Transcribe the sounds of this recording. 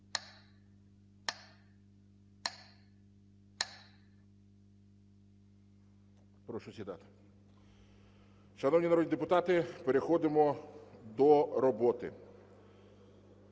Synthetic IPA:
pɾɔʃʊt̪ʲit̪ɑ̰t̪ɪ̥ | ʃɐnɔwnʲinɐɾɔd̪ʲnʲid̪epʊt̪ɑt̪ɪpeɾexɔd̪ɪmɔd̪ɔɾɔbɔt̪ɪ̰

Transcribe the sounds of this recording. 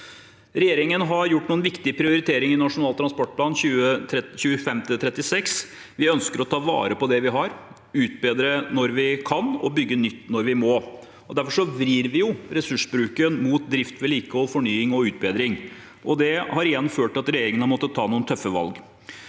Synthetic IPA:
ɾɛjeːɾɪŋənɦɑɾjʊʈːnuːənʋɪkt̪ɪpʰɾɪʊɾɪt̪ʰeːɾɪŋɪnɑʂʊnɑːlt̪ɾɑnspɔʈ̚pʰlɑːnɕʉːəɛçʉːəfɛmt̪ət̪ʰɾɛt̪ːɪsɛks | ʋɪœnskəɾɔt̪ʰɑːʋɑ̰ːɾəpɔd̪ɛʋɪɦɑɾ | ʉːt̪̚beːd̪ɾənɔɾʋɪkʰɑnɔ̰bʏɡːənʏt̪ːnɔɾʋɪmo | ɔd̪æɾfɔʂɔʋɾiːɾʋɪjʊɾɛsʉʂbɾʉːkənmuːt̪̚d̪ɾɪft̪ʋɛliːkəɔfɔɳyːɪŋɔʉːt̪̚beːd̪ɾɪŋ | ʔɔd̪ɛhɑɾɪjɛnːføːʈɑt̪ɾɛjeːɾɪŋənhɑmɔt̪ːət̪ʰːɑːnuːənt̪ʰœfːəʋɑ̰lɡ

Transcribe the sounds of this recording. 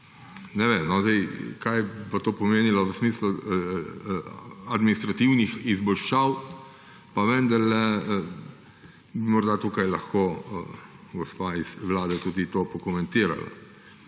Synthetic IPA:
nɛʋemnɔzd̪ɛjkajpat̪oːpɔmeːnilɔʋəsmiːslu | ɐd̪minist̪ɾat̪iwnixizbɔlʃaw | paʋend̪aɾlɛ | bimɔɾd̪at̪uːkɐjlɐxko | ɡɔspaisʋlaːd̪ɛt̪uːd̪it̪oːpɔkɔmɛ̃nt̪iːɾa̰la̰

